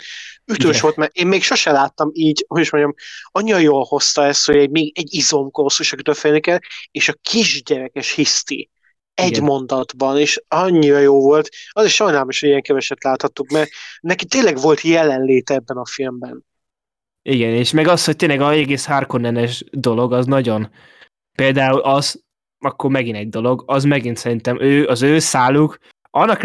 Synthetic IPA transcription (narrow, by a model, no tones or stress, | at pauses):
yt̪øːʃʋo̞lt̪mɛeːmmeːkʃo̞ʃɛlaːt̪ːɒmiːɟɦoɟiʃmo̞ɲɟɒmɒɲːiɾɒjoːlho̞st̪ɒɛst̪hoɟɛɟmeːɡɛɟːizo̞mkoɾosuʃɛkyt̪ølfilnikɛleːʃɒkʰiʒɟɛɾɛkɛʃhist̪ḭ | ɛɟmo̞nd̪ɒd̪bɒneːʃɒɲːiɾɒjoːvo̞lt̪ɒziʃːɒjnaːlmiʃhoɟiɛŋkɛvɛʃɛt̪laːt̪hɒt̪ːukmɛrnɛkit̪eːnlɛɡvo̞lt̪jɛlɛnleːt̪ɛɛbːɛnɒfilmbɛn | ʔiɡɛneːʃmɛɡɒshoc̚t̪eːnlɛɡɒɛɡeːsharkonːɛnɛʒd̪o̞lo̞ɡɒznɒɟo̞n | peːld̪aːulʔɒz̥ | ɒkːo̞rmɛɡinɛɟ̚d̪o̞lo̞ɡɒzmɛɡint̪sɛɾint̪ɛmʔøːɒzøːsaːluk | ʔɒnːɒk